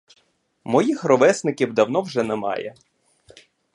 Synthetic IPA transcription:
mɔjixɾɔʋɛsnɪkʲiwd̪ɐwn̪ɔwʒɛnɛmɑ̰jɛ̰

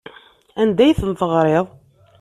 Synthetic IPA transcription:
ænd̪æjθənt̪əʁɾˤeðˤ

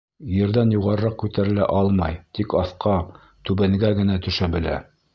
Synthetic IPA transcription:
jɘ̆ɾðænjuʁɑɾɤ̆ɾɑq̚kʉt̪æɾɘ̆læ̰ʔɑlˠmɑ̰jt̪ikɑθqɑ | t̪ʉbæŋɡæɡɘ̆næt̪ɵ̆ʃæbɘ̆læ̰

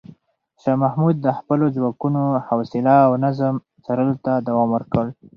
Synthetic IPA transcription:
ʃɑmahmud̪̚ːəxpəlozwɑkunohawsɪlaːwnazəm | t͡saɾəlot̪ad̪awɑmwəɾkəl

